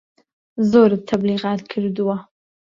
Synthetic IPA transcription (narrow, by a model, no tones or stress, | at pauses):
zoɾt̪ʰabliɣɑːt̪̚kʰəɾd̪uwa